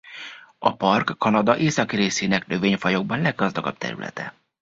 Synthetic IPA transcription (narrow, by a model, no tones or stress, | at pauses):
ɒpɒrkːɒnɒd̪ɒʔeːsɒkreːseːnɛknø̞veːɲfɒjo̞ɡ̚bɒnlɛɡɡːɒzd̪ɒɡɒ̰b̚t̪ʰɛ̰ɾy̰lʔɛ̰t̪ɛ̰